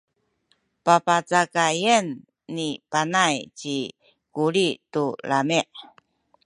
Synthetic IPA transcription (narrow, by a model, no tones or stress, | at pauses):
papat͡sakajənː | ipanajt͡ɕi | kuɾitulamiʔ